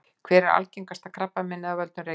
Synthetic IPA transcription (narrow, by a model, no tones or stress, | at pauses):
kʰv̥ɛːɾɪɾa̰lceŋkast̪akʰɾapːamɪnːaðavœlt̪nʏɾe